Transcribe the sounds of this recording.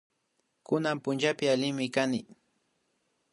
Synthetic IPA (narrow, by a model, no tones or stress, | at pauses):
kʊnampʊnt͡ʃapɪalɪŋmɪkanɪ